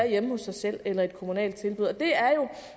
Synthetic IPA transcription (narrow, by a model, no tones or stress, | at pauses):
æɐjeməhɔ̽sːɑ̈ɪsel̰elɐe̝d̥kʰo̝munɛ̰ːld̥̚t͡sʰe̝lb̥uð̩̰ˠɒd̥e̝æɐjo̝